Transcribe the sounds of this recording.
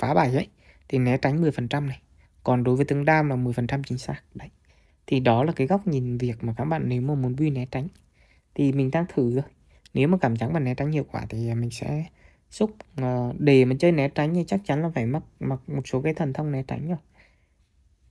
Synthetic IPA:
faː˨˦ɓaː˧˩jhə̰˧˦j | t̪ʰi˨˩nɛ˨˦t͡ɕa˨˦jŋ̟mɨ˨˩əjfə˨˩nt͡ɕa˧mna˨˩j | kɔ˨˩nɗo˨˦jvəː˨˦jt̪ɨ˧əŋɗaː˧mlaː˨˩mɨ˨˩əjfə˨˩nt͡ɕa˧mt͡ɕï˨˦ŋ̟saː˦˥k̚ɗə˧˦j | t̪ʰi˨˩ɗɔ˨˦laː˨˩kaː˨˦jɣɔ˦˥wk͡p̚ɲi˨˩nvi˨˩ək̚maː˨˩kaː˦˥k̚ɓa̰ː˧˨nːe˨˦wmaː˨˩mu˨˦nɓi˧nɛ˨˦t͡ɕa˨˦jŋ̟ | t̪ʰi˨˩mï˨˩ŋ̟ɗaː˧ŋt̪ʰɨ˧˩zo˧˩j | ne˨˦wmaː˨˩kaː˧˩mt͡ɕa˨˦nmaː˨˩nɛ˨˦t͡ɕa˨˦ŋ̟hḭ˧˨əwkwa̰ː˧˩t̪ʰi˨˩˨mï˨˩ŋ̟sɛ̰˧˥ | sʊ˦˥k͡p̚əː˨˩ɗe˧˩maː˨˩t͡ɕəː˧jnɛ˨˦t͡ɕa˨˦ŋ̟zi˧˦t͡ɕa˦˥k̚t͡ɕa˨˦nlaː˨˩faː˧˩jma˦˥t̚ma˨˩t̚mo˨˩t̚so˨˦kaː˨˦jt̪ʰə˨˩nt̪ʰə˧wŋ͡mnɛ˨˦t͡ɕa̰˨˦jŋ̟zə˧˩j

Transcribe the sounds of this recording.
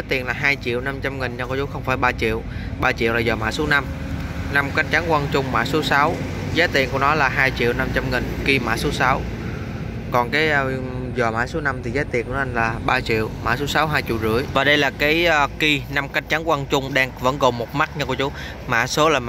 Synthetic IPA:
zaː˨˦jt̪i˨˩ənlaː˨˩ɦaː˧jt͡ɕḭ˧˨əwna˧mt͡ɕa˧mŋi˨˩nɲə˧kt͡ɕu˨˦xə˧wŋ͡mfaː˧˩jɓaː˧t͡ɕḭ˧˨əw | ɓaː˧t͡ɕḭ˧˨əwlaː˨˩zɔː˨˩ma̰ː˧˥so˨˦na˧m | na˧mka˧˦˥jŋ̟̚t͡ɕa˨˦nkwa˧nt͡ɕʊ˧ŋ͡mma̰ː˧˥so˨˦sa˨˦w | zaː˨˦jt̪i˨˩ənku˧˩ənɔ˨˦laː˨˩ɦaː˧jt͡ɕḭ˧˨wna˧mt͡ɕa˧mŋi˨˩ŋki˧ma̰ː˧˥so˨˦sa˨˦w | kɔ˨˩nkaː˨˦j | zɔː˨˩ma̰ː˧˥so˨˦na˧mt̪ʰi˨˩zaː˨˦jt̪i˨˩˨kːnɔ˦˧˩laː˨˩ɓaː˧t͡ɕḭ˧˨əwma̰ː˧˥so˨˦sa˨˦wɦaː˧jt͡ɕḭ˧˨əwzɨ̰˧˩əjvaː˨˩ɗə˧jlaː˨˩kaː˨˦jki˧na˧mka˧jŋ̟t͡ɕa˨˦nkwa˧nt͡ɕʊ˧ŋ͡mɗaː˧ŋvə̰˧˥nko˨˩nmo˨˩t̚ma˦˥t̚ɲa˧kt͡ɕu˨˦ | ma̰ː˧˥so˨˦laː˨˩m

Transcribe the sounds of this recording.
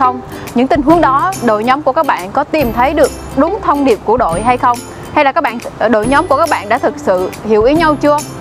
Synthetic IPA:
ə˧wŋ͡m | ɲɨ̰˧˥ŋt̪ï˧ŋ̟ɦu˨˦əŋɗɔ˨˦ɗo̰˧˨jɲɔ˨˦mku˧˩kaː˦˥k̚ɓa̰ː˧˨nkɔ˨˦t̪i˨˩mt̪ʰə˨˦jɗɨ˨˩ək̚ɗʊ˨˦ŋ͡mt̪ʰə˧wŋ͡mɗi˨˩əp̚ku˧˩əɗo̰˧˨jɦa˧jxə˧wŋ͡m | ha˧jlaː˨˩kːaː˦˥ɓa̰ː˧˨ɗo̰˧˨jɲɔ˨˦mku˧˩əkaː˦˥ɓa̰ː˧˨nɗa̰ː˧˥t̪ʰɨ˨˩k̚sɨ̰˧˨hḭ˧˩əwʔi˨˦ɲa˧wt͡ɕɨ˧ə

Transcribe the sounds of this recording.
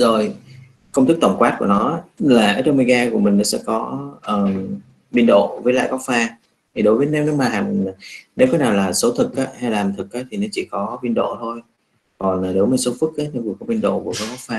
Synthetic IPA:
zo˨˩j | kə˧wŋ͡mt̪ʰɨ˦˥k̚t̪ə˧˩wŋ͡mkwaː˦˥t̚ku˧˩ənɔ˨˦aː˨˦laː˨˩ʔəː˨˩tə˧wmi˧ɣaː˧ku˧˩əmï˨˩ŋ̟nɔ˨˦sɛ̰˧˥kɔ˨˦ʔəː˨˩m | ɓi˧ənɗo̰˧˨vəː˨˦jla̰ː˧˨jkɔ˦˥k̚faː˧ | t̪ʰi˨˩ɗo˨˦jvəː˨˦jn˧˨˦wnɨ˨˦maː˧˩ɦa̰ː˧˩ŋː˨˩˨ne˨˦wkɔ˨˦naː˨˩wlaː˨˩so˨˦t̪ʰɨ˨˩k̚ʔaː˨˦ha˧jlaː˨˩mt̪ʰɨ˨˩k̚ʔaː˨˦t̪ʰi˨˩nɔ˨˦t͡ɕi˧˩kɔ˨˦ɓi˧nɗo̰˧˨t̪ʰo˧j | kɔ˨˩nlaː˨˩ne˨˦wməː˨˦jso˨˦fɨ˦˥k̚ʔaː˨˦ɲʰ˧vu˨˩kɔ˨˦ɓi˧ənɗo̰˧˨ku˧˩vəː˨˦jɣɔ˦˥k̚faː˧

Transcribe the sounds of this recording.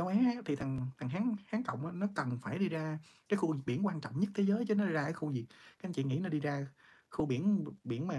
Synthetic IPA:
a˨˦wʔaː˨˦a˧˦t̪ʰi˨˩t̪ʰa˨˩ŋt̪ʰa˨˩ŋ̟ɦaː˨˦ŋhaː˨˦ŋkə̰˧˨wŋ͡mʔaː˨˧˦nɔ˨˦kə˨˩nfaː˧˩jɗi˧zaː˧ | ka˨˦jxu˧zi˨˩ɓi˧˩ənkwaː˧nt͡ɕɔ̰˧˨wŋ͡mɲə˦˥t̚t̪ʰe˨˦zəː˨˦jt͡ɕə˨˦nɔ˨˦˧zaː˧aː˨˦xu˧zi˨˩k̚a˨˦ʔnt͡ɕḭ˧˨ŋḭ˧˥na˨˩ɗi˧zaː˧ | xu˧ɓi˧˩ənɓi˧˩ənmaː˨˩

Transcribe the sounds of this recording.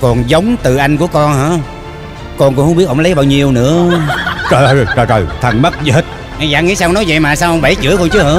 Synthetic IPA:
kɔ˨˩nzə˨˦wŋ͡mt̪ɨ˨˩ʔa˧jŋ̟ku˧˩əkɔ˧nha̰ː˧˥ | kɔ˧nkŋ͡mhŋ͡mɓi˦˥əʔo˧˩ŋ͡mlə˨˦jɓaː˧wɲi˨˩əwnɨ̰˧˥ət͡ɕəː˨˩jə˧˩˨jt͡ɕəː˨˩t͡ɕo˨˩jt̪ʰə˨˩nmə˦˥t̚zhə˦˥t̚ | ʔa˧˩jzaː˧˥ŋḭ˧˥˦saː˧nɔ˨˦jzə̰˧˨jmaː˨˩saː˧wʔə˧wŋ͡mɓə˧˩jt͡ɕɨ̰˧˥əkɔ˧nt͡ɕɨ˨˧˦ɨ̰˧˦

